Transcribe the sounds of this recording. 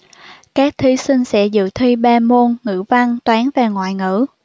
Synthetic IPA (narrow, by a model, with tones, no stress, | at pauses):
kaː˦˥k̚t̪ʰi˨˦sï˧ŋ̟sɛ̰˧˥zɨ̰˧˨t̪ʰwi˧ɓaː˧mo˧nŋɨ̰˧˥va˧ŋt̪waː˨˦nvaː˨˩ŋwa̰ː˧˨jŋɨ̰˧˥